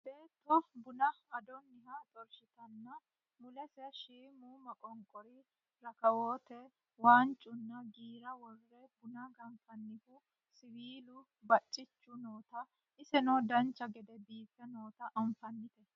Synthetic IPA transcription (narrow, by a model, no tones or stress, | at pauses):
be̞ːt̪ːɔbʊnɐɐd̪ɔnːɪhɐt̪ʼɔlʃɪt̪ɐnːɐ | mʊlɛsɛʃiːmumɐkʼɔŋkʼɔɾɪ | ɾɐkɐwoːt̪ɛ | waːnt͡ʃʼːʊnːɐɡiːɾɐwɔrːɛbʊnɐɡɐɱfɐnːɪhʊ | sɪwiːlʊ | bɐt͡ʃʼːɪt͡ʃːʊnoːt̪ɐ | ʔɪsɛnoːd̪ɐnt͡ʃːɐɡɛd̪ɛbiːfːɛno̞ːt̪ɐʔɐɱfɐnːɪt̪ɛ